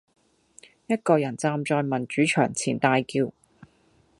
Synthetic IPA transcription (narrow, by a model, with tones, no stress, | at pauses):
jɐ˥t̚kɔː˧jɐ˨˩nt͡saː˧mt͡sɔː˧jmɐ˨˩nt͡ʃyː˨˥t͡ʃʰœ̰ː˨˩ŋt͡sʰiː˨˩nt̪aː˧jkiː˧w